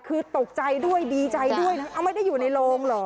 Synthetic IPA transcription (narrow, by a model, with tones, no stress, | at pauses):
kʰɯː˧t̪o˨˩k̚t͡ɕa˧jdu˥˩əjdiː˧t͡ɕa˧jdu˥˩əjna˦˥ʔa˧wma˥˩jda˥˩jːuː˨˩na˧jloː˧ŋlɔː˨˩